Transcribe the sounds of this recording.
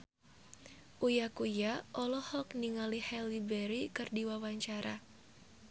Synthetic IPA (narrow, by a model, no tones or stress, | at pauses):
ʔujakujaʔɔlɔhɔkniŋalihɛlibɛɾikɨrdiwawaɲt͡ʃaɾa